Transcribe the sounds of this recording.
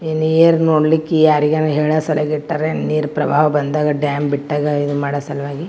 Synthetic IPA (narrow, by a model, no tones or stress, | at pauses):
enːeːɾnoːɽlikːejaːɾiɡenːuɦeːɭasɐleɡiʈːaːɾeniːɾpɾɐbʱaːʋɐbɐnd̪aːɡɐɖjaːmbiʈːaːɡɐid̪umaːɽɐsɐlʋaːɡi